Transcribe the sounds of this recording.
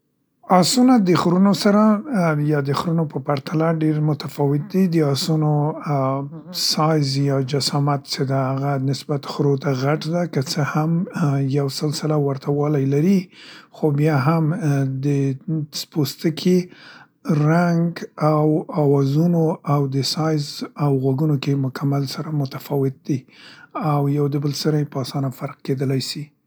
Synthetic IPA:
ɑsunad̪əxɾunosaɾajɑd̪əxɾunopəpaɾt̪ʰalaɖeɾmʊt̪afɑwɪt̪̚d̪id̪əɑsuno | sɑjzjɑd͡ʒasɑmat̪t͡sed̪ahaɣanɪsbat̪xɾot̪aɣaʈd̪akət͡səhamjawsəlsɪlawaɾt̪ʰawɑlajlaɾixobjɑɦamd̪əspost̪əkʰe | ɾaŋɡawɑwɑzunoawd̪əsɑjzawɣwaɡunokemʊkʰamalsaɾamʊt̪ḁfɑwɪt̪̚d̪iawjawd̪əbəlsəɾajpɑsɑnafaɾq̚ked̪əlajsi

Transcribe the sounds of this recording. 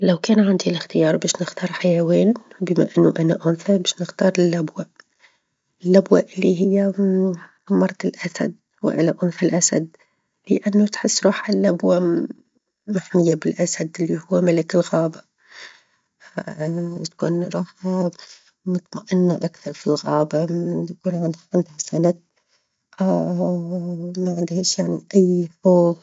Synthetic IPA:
lawkaːnʕɪnd̪ilɪxt̪ɪjɑːɾˤbaːʃnɪxt̪ɑːɾˤħajaweːnbɪma̰ʔɪnːuʔanaʔʊnfabaːʃnɪxt̪ɑːɾˤɪlːabwa | ɪlːabwaʔɪlːiɦɪjːa | mɑɾˤt̪ɪlʔasa̰d̪̚ | wɪ̰ʔa̰laʔʊnfalʔasad̪ | lɪʔanːʊt̪ħɪsːɾˤuːħɪlːabwa | maħmɪjːabɪlʔasad̪ɪlːihʊwːamalɪkɪlɣaːba | t̪ḁkṵːnɾˤuːħa | mʊt̪maʔɪnːaʔakθɑɾˤfilɣaːbaakuːnʕɪnd̪hɪnd̪hasanat | ʔa | maʕɪnd̪heːʃjaʕniʔajfoːɣ

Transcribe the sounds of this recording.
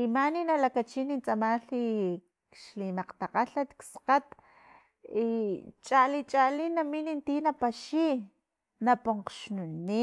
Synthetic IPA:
imaninalakat͡ʃinint͡sʼamaɬi | kʃlimaqt̪aqaɬat̪ksqat̪ | it͡ʃʼalit͡ʃʼalinaminint̪inapaʃi | napoɴqʃnuni

